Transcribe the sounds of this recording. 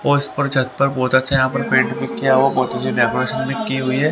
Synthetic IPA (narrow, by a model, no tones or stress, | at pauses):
ɔːɪspɐɾd͡ʒɐt̪pɐɾbɔːt̪ɐtːʃʰajɐɦãːpɐɾpẽːɳʈbikjaɦuabɔːt̪ɐt͡ʃʰaɖeːkoɾeːʃənbikiɦʊiɦɛː